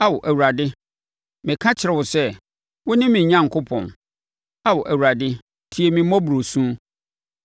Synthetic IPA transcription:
a˦wʊ˨ʔæ˨wu˨ɾa˨dɪ˦ | mɪ̃˨kʰã˦t͡ɕʰɪ˨ɾɛ˨wʊ˨sɛ˦ | wʊ˦nɪ̃˦mɪ̃˨ɲã˦ŋ˨kʰʊ˦pʰɔ̰̃˨n | a˦wʊ˨ʔæ˨wu˨ɾa˨dɪ˦ | tʰi˨˦e˨mĩ˨mɔ̃˦bu˨ɾo˨sũ˦

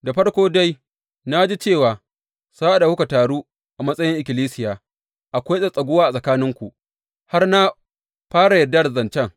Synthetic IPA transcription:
da˨ɸɐ˦ɽkʷoː˦da˦j | na˦d͡ʒi˦t͡ʃeː˦˨waː˨ | sa˦ʔa˨ɗa˨hʊ˦ka˨taː˨ɽuː˦ | ʔa˨mɐ˦sʼɐ˦jɪ˦ŋʔɪ˨kʲɪ˨liː˦sɪ˦jaː˨ | ʔa˨kʷa˦sʼɐ˦˨sʼɐ˨ɡʷʊ˦waː˦a˨sʼɐ˨kaː˦nɪ˦ŋkʷu˨ʔ | ha˦rna˦ | ɸaː˦ɽa˨jɐ˨dːa˦ɽzɐ˨nt͡ʃɛ˦ŋ

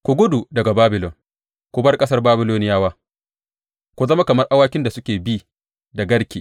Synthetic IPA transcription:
kʷo˨ɡʷʊ˦du˨dɐ˨ɡa˨baː˦bɪ˨lɔ˨ŋ | kʷʊ˨bɐ˦rkʼɐ˦sɐ˦rbaː˦bɪ˦loː˦nɪ˦jaː˦waː˦ | kʷu˨zɐ˦ma˦kɐ˨mɐ˦rʔa˦waː˦kʲɪ˦nda˨sʊ˦kʲeː˨bi˦ | da˨ɡɐ˦ɽkʲeː˨

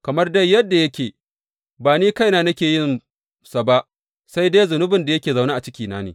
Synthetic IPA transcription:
kɐ˨mɐ˦rdɐ˦jɐ˦dːa˨jɐ˦kʲeː˨ | baː˨niː˦ka˦jnaː˦nɐ˦kʲeː˨jɪ˦n | sa˨ba˦ʔ | sa˦jdeː˦jzʊ˨nʊ˦bɪ˨nda˨jɐ˦kʲeː˨za˨wnaː˦ʔa˨t͡ʃɪ˦kʲiː˨naː˦neː˨

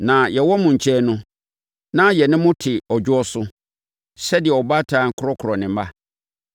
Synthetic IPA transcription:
nã˨jɛ˨wɔ˦mʊ̃˨ɲ̩˨t͡ɕʰɛ˦nʊ̃˦ | nã˦jɛ˨nɪ̃˦mʊ̃˦tʰɪ˨ɔ˨d͡ʑʊ˦ɔ˦sʊ˦ | sɛ˦dɪ˨ɛ˨ɔ˨ba˦tʰãː˨˦ŋ̩˦kʰʊ˦ɾɔ˦kʰʊ˨ɾɔ˨nɪ̃˨m̩˦ba˦

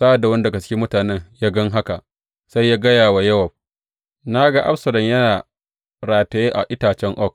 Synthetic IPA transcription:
sa˦ʔa˨da˨wɐ˦n˦da˨ɡɐ˨t͡ʃkʲi˦mʊ˦taː˨nɛ˦ɲjaː˦ɡɐ˦ŋɦa˦ka˨ʔ | sa˦jːaː˦ɡɐ˦jaː˨wa˨jɐ˦wɐ˨b̚ | na˦ɡa˦ʔa̰˦ɸsɐ˨lɔ˨ɲjɐ˦naː˨ | ɾaː˨tɐ˨jeː˦ʔa˨ʔɪ˦taː˨t͡ʃɛ˦ŋʔɔ˦˨k

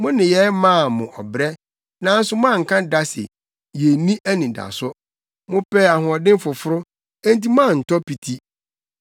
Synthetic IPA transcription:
mʊ̃˦nɪ̃˨jɛ˦mã˦˨mʊ̃˨ʔɔ˨bɾɛ˦ | nã˨˦n̩˦sʊ˦mã˦˨ŋ̩˨kʰã˦da˦sɪ̰˨ | je˨nĩ˦ʔæ˦nĩ˨da̰˨sʊ˦ | mʊ̃˦pɛ˦a˨ɦʊ̃˨ɔ˨dɪ̃˦m˦fʊ˨fʊ˦ɾʊ˦ | ẽ˦n˦t̬i˦mã˦˨n̩˨tʰɔ˦pi˨tʰi˦

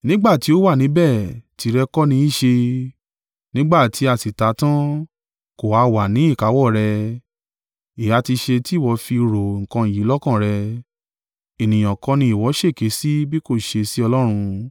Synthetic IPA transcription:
nĩ˦ɡ͡ba˦˨ti˨˦o˦wa˦˨nĩ˨˦bɛ˦˨ti˧˦ɾɛ˧kɔ˦nĩ˧˦i˦˨ʃe˧ | nĩ˦ɡ͡ba˦˨tʰi˨˦a˨si˨ta˨˦tã˦ | ko˨wa˨˦wa˨nĩ˨˦i˦˨ka˨˦wɔ˦˨ɾɛ˧ | i˨ja˨˧˦ti˧ʃe˧ti˦˨wɔ˧fi˧ɾo˨ŋ̩˨kã˧˨ji˨˦lɔ˦kã˦˨ɾɛ˧ | i˨nĩ˨j̃ɔ̃˨kɔ̃˧˦nĩ˧i˨wɔ˨˦ʃe˦˨ke˨˦si˦bi˦ko˦˨ʃe˧si˦ɔ˧lɔ˦ɾ̃ũ˧

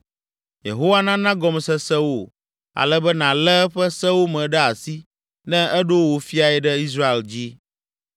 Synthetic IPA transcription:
jḛ˨ɦo˦wa˦nã˦nã˦ɡɔ˦m˨sɛ˨sɛ˦wo˦˨ | a̰˨lɛ˦bɛ˦nã˨lɛ˦ɸɛ˦sɛ˦wo˦mɛ̃˨ɖɛ˦a˨si˦ | nɛ̃˦ɛ˦ɖo˦wo˨fi˦a˨ɛ˨ɖɛ˦i˦s̬ɾa˦e˨ld͡ʑi˦

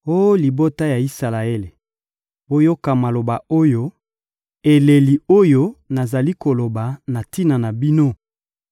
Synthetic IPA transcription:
o˦li˨bo˦ta˦ja˨i˦sa˨la˨e˦le˨ | bo˦jo˦ka˨ma˨lo˨ba˨o˦jo˦ | e˨le˨li˨o˦jo˦na˨za˨li˦ko˨lo˨ba˨na˨ti˦na˨na˨bi˦no˦

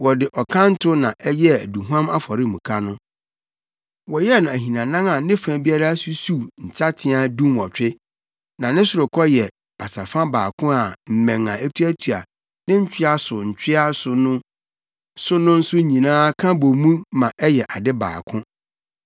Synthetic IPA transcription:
wɔ˨dɪ˨ʔɔ˨kʰã˦n̩˦tʰʊ˦nã˨ʔɛ˦jɛ˦æ˨du˨ɦu˦ã˦ma˦fɔ˨ɾɪ˦˨mũ˨kʰa˦nʊ̃˦ | wɔ˨jɛ˦nã˨æ˨ɦĩ˨nã˨nã˦ŋa˨nɪ̃˦fã˨bi˦a˦ɾa˦su˦su˦n̩˨t͡ɕʰa˦tʰɪ̃˦a˨dũ˦nwɔ˨t͡ɕᶣɪ˦ | nã˨nɪ̃˦sʊ˨ɾʊ˨kʰɔ˦jɛ˨ | b̥a˨sa˨fã˦baː˨kʰʊ̃˦a˨m̩˨mɛ̃˨ŋã˨æ˦tʰu˦æ˦tʰu˨a̰˨ | nɪ̃˦ɲ̩˦t͡ɕᶣɪ˦a˦sʊ˨ɲ̩˨t͡ɕᶣɪ˦a˦sʊ˨nʊ̃˦ | sʊ˦nʊ̃˦n̩˦sʊ˦ɲĩ˨nãː˦kʰã˦bo˨mũ˦mã˨ʔɛ˦jɛ˨ʔa˨dɪ˦ba̰ː˨kʰʊ̃˦

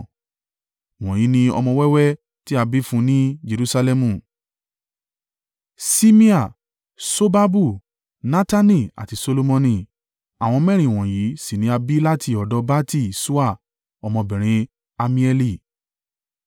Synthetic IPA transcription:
w̃ɔ̃˨ji˨˦nĩ˧ɔ̰˧mɔ̃˧wɛ˦wɛ˦ | ti˦a˧bi˦fũ˧˦nĩ˦d͡ʒe˧ɾu˦sa˧lɛ˧mũ˧˨ | si˦mĩ˦a˨ | so˦ba˦bu˦˨ | nã˦ta˦nĩ˦˨a̰˨ti˨˧so˧lo˧mɔ̃˧nĩ˧˨ | a˨w̃ɔ̃˧mɛ̃˦˨ɾ̃ĩ˨w̃ɔ̃˨ji˨˦si˦˨nĩ˨˦a˧bi˦la˦ti˦˨ɔ˨dɔ˧˦ba˦ti˦˨su˦a˦˨ | ɔ˧mɔ̃˧bɛ̃˨ɾ̃ĩ˧ | a˧mĩ˧ɛ˧li˦˨

